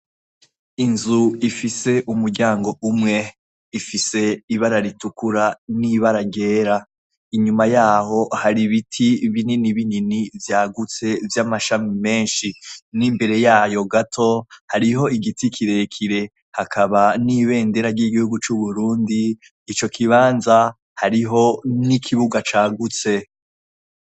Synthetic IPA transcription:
inzuifise̞ʔumuɾɟaːŋɡo̞ʔumŋe̞ | ifise̞iβaɾaɾitukuɾaniβaɾaɟe̞ːɾa | iɲumajaːho̞haɾiβitʰiβininiβininivjaːɡut͡se̞vjamaʃamime̞ːnʃinimbe̞ɾe̞jaːjo̞ɡatʰo̞haɾiɦo̞iɡitikʰiɾe̞kʰiɾe̞ | hakʰaβaniβe̞ːnde̞ɾaɟiɡihuɡut͡ʃuβuɾuːndiː | t͡ʃo̞kʰiβaːnza | haɾiɦo̞nikʰiβuɡat͡ʃaːɡut͡se̞

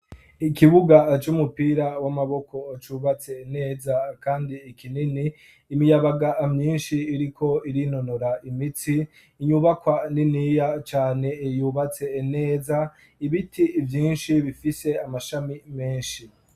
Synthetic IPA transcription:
ikiβuɡat͡ʃumupiːɾawamaβo̞ko̞ːt͡ʃuːβat͡se̞ːne̞ːzakaːndiːkʰininiː | mijaβaɡaːmɲiːnʃiːɾikʰo̞iɾino̞noɾaʔimit͡siː | ɲuβakwaninijat͡ʃaːne̞ijuːβat͡se̞ːne̞ːza | iβitʰivjiːnʃiβifise̞amaʃamime̞ːnʃi

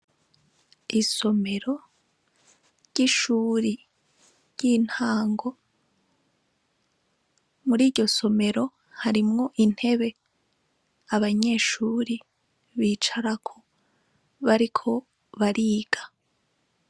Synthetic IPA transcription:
iso̞me̞ɾo̞ | ɾɟ̥iʃuːɾi | ɾɟ̥iːn̥haːŋɡo̞ | muɾiːɾɟo̞so̞me̞ɾo̞ | haɾimŋo̞ʔin̥he̞βe̞ | aβaɲe̞ːʃuːɾi | βiːt͡ʃaɾakʰo̞ | βaɾikʰo̞ | βaɾiːɡ̥ḁ

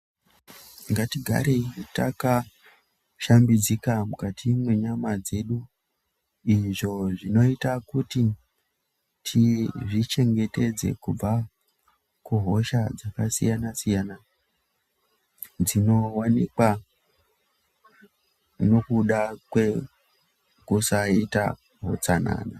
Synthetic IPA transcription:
ŋɡatiɡʱa̰ɾeta̰ka | ʃambid͡zikamukatʰimwe̞ɲamad͡ze̞ɗu | iʐo̞ʐino̞itakuti | tʰiʐit͡ʃe̞ŋɡe̞te̞d͡ze̞̰kub͡va | kuɦo̞ʃad͡zakasḭjanasijana | d͡zino̞wanikwa | no̞kuɗakwe̞ | kusaita̰ | ɦo̞̰t͡sana̰na

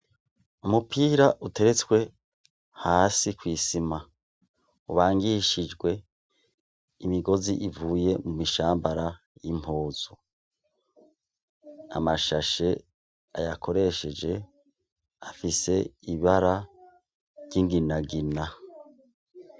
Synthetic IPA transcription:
umupʰiːɾaʔute̞ɾe̞t͡swe̞ | haːsikwiːsima | uβaːŋɡiʃid͡ʒɡwe̞ | imiɡo̞ziʔivuːje̞mumiʃaːmbaɾa | jim̥hoːz̥o | a̰maʃaʃe̞ | a̰jakʰo̞ɾe̞ʃe̞d͡ʒe̞ | afise̞iβaɾa | ɾɟiŋɡinaɡina

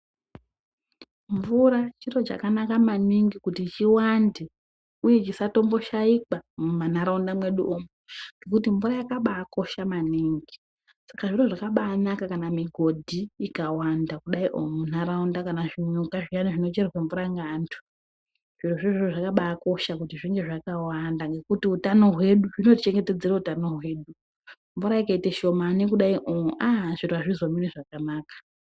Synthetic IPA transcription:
ɱvuɾat͡ʃiro̞t͡ʃa̰kanakamaniŋɡikutit͡ʃiwande | uje̞t͡ʃisato̞mbo̞ʃaikamumanaɾaundamwe̞ɗuʔomeŋɡekutiɱvuɾajakaɓaːko̞ʃamaniːŋɡi | sakaʐiɾo̞ʐakaɓaːnakakanamiɡʱo̞dʱiikawandakuɗaiʔo̰munaɾaundakanaʐiɲukaʐianiʐino̞t͡ʃerweɱvuɾaŋɡaːntʰu̥ | ʐ̥iruaʐiʐioʐakaɓaːko̞ʃakutiʐiŋɡe̞ʐakawandaŋɡe̞kutiutano̞ɦwe̞ɗuʐino̞tit͡ʃe̞ŋɡe̞te̞d͡zeɾautano̞ɦwe̞ːɗu | mvuɾaikaiteʃo̞manekuɗaiʔoʔaːʐituaʐizomineʐakanaːkḁ

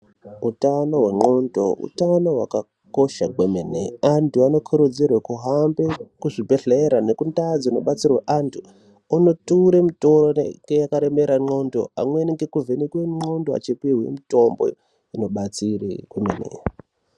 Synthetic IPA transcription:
utano̞we̞ŋ͡ǃo̞ndo̞̰ṵtano̞ɦwaka | ko̞ʃaɡwemenḛantʰuano̞kʰuɾud͡zirwakuɦambekuʐibʱe̞ɬeɾanekundad͡zino̞̰ɓat͡sirweʔantʰu | uno̞tuɾemitoroeŋɡejakaɾeme̞ɾaŋ͡ǃo̞ndo̰a̰mweniŋɡekuvʱenekweŋ͡ǃo̞ndoa̰t͡ʃipiɦwḛmito̞mbo̞̰ | ino̞ɓat͡sirḛɡwemenḛ

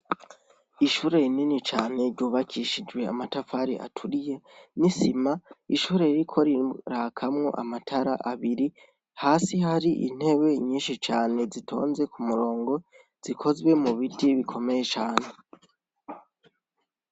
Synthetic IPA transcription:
iʃuːɾe̞ininit͡ʃaːne̞ɾɟuːβakʰiʃid͡ʒwe̞a̰matafaɾḭʔa̰tʰuɾije̞nisimaiʃuːɾe̞iɾikʰo̞ɾiɾaːkʰamŋo̞̰ʔa̰matʰaɾa̰ʔaβiɾi | haːsihaɾiʔḭn̥he̞βe̞ɲiːnʃit͡ʃaːne̞zitʰo̞̰ːnze̞kumuɾo̞ːŋɡo̞ | z̥ikʰo̞zwe̞muβitiβikʰo̞me̞je̞t͡ʃaːne̞

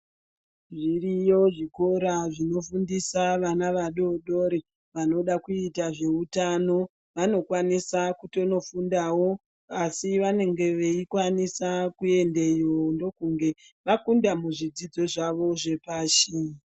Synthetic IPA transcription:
ʐirijo̞ʐiko̞ɾaʐino̞fundisaʋanaʋaɗo̞ɗo̞ɾe | ʋano̞ɗakuitaʐe̞utano̞ | ʋano̞kwanisakuto̞no̞fundawo̞ | asiʋane̞ŋɡe̞ʋeikwanisakue̞nde̞jondo̞kuŋɡe̞ | ʋakundamuʐid͡zid͡zo̞ʐaʋo̞ʐe̞paːʃi

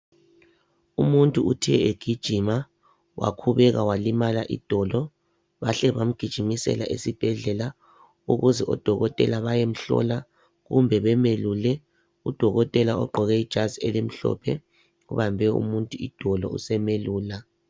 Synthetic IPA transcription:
umuntʼuutʰɛɛeɡ̥ʱid̥ʒ̥ʱima | wʔa̰kʰuβɛɣawalimalaʔḭd̥ʱɔlɔ | βaɬɛβam̩ɡ̥ʱid̥ʒ̥ʱimisɛ̰la̰ʔesib̥ʱɛɮɛla | uɣuzɛʔɔd̥ʱɔɣɔtʼɛ̰laβajem̩ɬɔ̰la | ɣumbʱɛβɛmelulɛ | ud̥ʱɔɣɔtʼɛlaɔɡ͡ǃʱɔɣɛid̥ʒ̥ʱazielem̩ɬɔ̰pʰɛ | ɣṵβambʱɛṵmuntʼuid̥ʱɔlɔ̰ṵsɛmeluːla

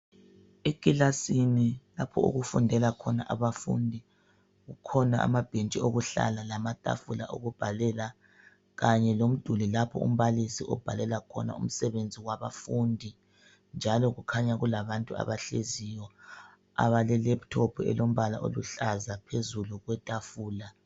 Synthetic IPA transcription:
ekʼilasinilapʰɔṵɣufundʱɛlakʰɔnaʔaβafṵndʱi | ɣukʰɔnaʔa̰mab̥ʱent͡ʃʼioɣuɬa̰lalamatʼa̰fula̰ʔo̰ɣub̥ʱalɛla | ɣaɲɛlom̩d̥ʱulilapʰɔ̰ṵm̩βalisiʔɔ̰b̥ʱalɛlakʰɔ̰na̰ṵm̩sɛβend͡zʱiwaβa̰fundʱi | nd͡ʒʱalɔɣukʰaɲaɣulaβantʼua̰βaɬezijɔ | a̰βalɛlɛptʰɔpʰɛ̰lom̩βala̰ʔo̰luɬazapʰezuluɣwɛtʼafuːla

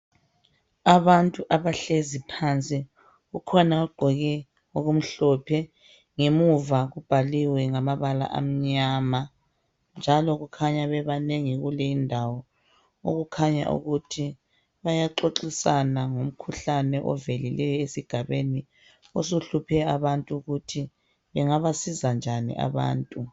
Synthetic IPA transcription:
aβantʼuʔaβaɬezipʰant͡sʼi | ɣukʰɔnauɡ͡ǃʱɔɣɛ | oɣum̩ɬɔpʰɛ | ŋemuvaɣub̥ʱaliwɛŋamaβala̰ʔa̰m̩ɲaːma | nd͡ʒʱalɔɣukʰaɲaβɛβaneŋiɣulɛindʱawɔ | o̰ɣukʰaɲa̰ʔṵɣutʰi | βajaǁoǁisanaŋom̩kʰuɬanɛʔɔ̰velilɛjɔesiɡ̥ʱaβeni | ɔsuɬupʰɛaβantʼuɣutʰi | βɛŋaβasizand͡ʒʱanḭʔa̰βa̰ːntʼu

